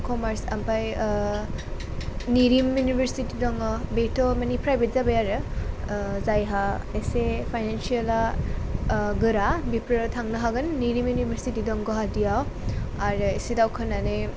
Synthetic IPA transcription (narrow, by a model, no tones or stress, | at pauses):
kʰɔmaɾsa̰mpʰaj | niɾimjunibʱeɾsitidɔŋɔbetʰɔmɐnipʰɾajbet̚zabajaɾɯ | zajɦaesepʰajnansiala | ɡɯɾabipɾɯtʰaŋnɯɦaɡɯnːiɾimjunibʱeɾsitidɔŋɡɔɦadijawaɾɯesidawkʰɯnane